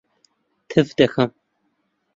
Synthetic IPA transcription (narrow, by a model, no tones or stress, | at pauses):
tʰɨvdɐxɐm